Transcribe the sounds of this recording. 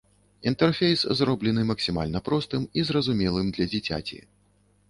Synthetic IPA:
int̪ɛrfʲejszrɔblʲɛnɨmɐksʲima̰lʲnɐpɾɔst̪ɨmizrɐzumʲɛlˠɨmd̪lʲɐd͡zʲit͡sʲa̰t͡sʲḭ

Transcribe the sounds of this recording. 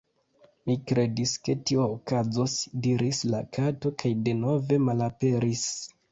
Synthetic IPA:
mikɾe̞diske̞tioːkazo̞sdiɾisla̰kʰato̞kajde̞no̞ve̞malape̞ɾis

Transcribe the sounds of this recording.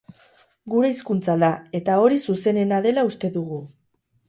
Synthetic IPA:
ɡuɾe̞iskunt͡saðae̞t̪ao̞ɾisuse̞ne̞naðe̞laust̪e̞ðuɣu

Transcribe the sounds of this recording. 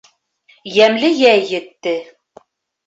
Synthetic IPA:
jæmlɘjæjːɘ̆t̪ːɘ

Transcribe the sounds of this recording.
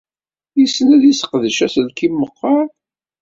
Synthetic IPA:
jisnæðisə̥qðəʃæθəlkimːəqːɑɾˤ

